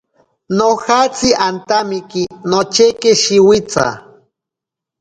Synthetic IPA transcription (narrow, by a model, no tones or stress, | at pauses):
nohat͡siʔant̪amikinot͡ʃekeʃiwit͡sa̰